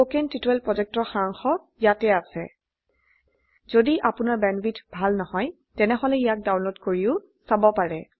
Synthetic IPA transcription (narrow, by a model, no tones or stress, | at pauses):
okɛntitɛlpɹɔzɛk̚tɔɹxaŋxɔ | jatɛasɛ̰ | z̥odiʔapʊnaɹbɛnbitbʱalnɔhɔj | tɛnɛɦɔlɛijak̚dawnlotkoɹiʊ | sabɔpaɹɛ